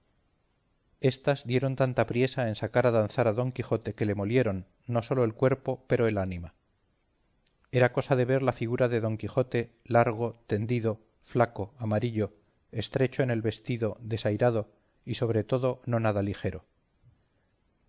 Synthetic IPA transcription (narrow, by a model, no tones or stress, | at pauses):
e̞st̪azðje̞ɾo̞nt̪ant̪apɾje̞sae̞nsakaɾaðanθaɾaðo̞ŋkixo̞t̪e̞ke̞le̞mo̞lje̞ɾo̞nː | o̞so̞lo̞e̞lkwe̞ɾpo̞pe̞ɾo̞e̞lanima | e̞ɾako̞saðe̞β̞e̞ɾlafiɣ̞uɾaðe̞ðo̞ŋkixo̞t̪e̞ | laɾɣ̞o̞t̪e̞nd̪iðo̞ | flako̞amaɾiʎo̞ | e̞st̪ɾe̞t͡ʃo̞e̞ne̞lβe̞st̪iðo̞ðe̞sajɾaðo̞ | iso̞β̞ɾe̞t̪o̞ðo̞no̞naðalixe̞ɾo̞